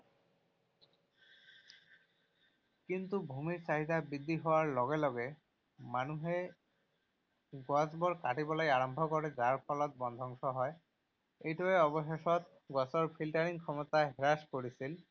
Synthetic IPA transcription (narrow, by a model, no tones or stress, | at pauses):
kint̪ubʱumiɹsaɦit̪abid̪ʱːiɦɔwaɹlɔɡelɔɡe | manuɦe | ɡwɔzbɔɹkaʈibɔlɔjaɹɔmbʱɔkɔɹezaɹpʰɔlɔt̪̚bɔnd̪ʱɔŋʃɔɦɔj | ejtɔeɔbɔʃeʃɔt̪̚ | ɡɔsɔɹpʰilʈaɹiŋkʰɔmɔt̪aɦɛɹaskoɹisil